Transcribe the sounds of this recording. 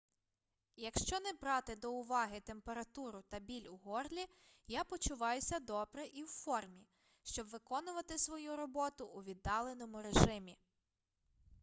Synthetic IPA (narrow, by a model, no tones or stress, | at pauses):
jɐkʃt͡ʃɔnɛbɾɑt̪ɪd̪ɔʊʋɑɦɪt̪e̞mpeɾɐt̪uɾʊt̪ɐbʲilʲʊɦɔrlʲi | japɔt͡ʃʊʋɑjʊsʲɐd̪ɔbɾɛʔiwfɔrmʲi | ʃt͡ʃɔbʋɪkɔnʊʋɐt̪ɪsʋɔjuɾɔbɔt̪ʊʔːʋʲid̪ːɑlˠe̞nɔmʊɾeʒɪmʲi